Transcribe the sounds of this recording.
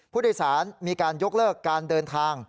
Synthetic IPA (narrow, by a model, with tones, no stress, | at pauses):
pʰu˥˩doː˥˩saː˩˦nmiː˧kaː˧njo˦˥k̚lɤː˥˩kːaː˧ndɤː˧nt̪ʰaː˧ŋ